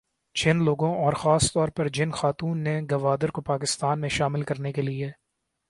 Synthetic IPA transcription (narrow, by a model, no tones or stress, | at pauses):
t͡ʃɪnloːɡõʔɔːɾxaːst̪ɔːɾpɐɾd͡ʒɪnxaːt̪uːnːeɡɐʋaːd̪əɾkopaːkɪst̪aːnmẽʃaːmɪlkɐɾnekelie